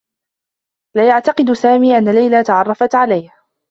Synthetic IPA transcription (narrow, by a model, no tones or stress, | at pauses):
laːjaʕt̪ɑqɨd̪saːmiːʔanːalajlat̪ɑʕɑrˤːɑfat̪ʕalajh